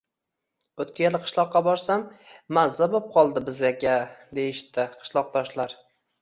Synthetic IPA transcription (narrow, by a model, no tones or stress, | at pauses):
ɵt̪̚kʲajelɪqʰɨ̥ʃlˠɒqːɑbɒɾsamːazːabop̚qʰɒlˠd̪ɪbɪzakʲad̪e̞jɪʃt̪ɪqʰɨ̥ʃlˠɒq̚d̪ɒʃlaɾ